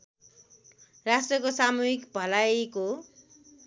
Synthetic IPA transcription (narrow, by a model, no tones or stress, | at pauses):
rasʈrʌkosamuɦikbʱʌlajko